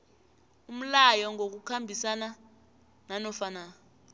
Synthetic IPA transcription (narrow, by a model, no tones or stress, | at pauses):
um̩lajɔŋok̬ukʰambʱisana | nanɔfana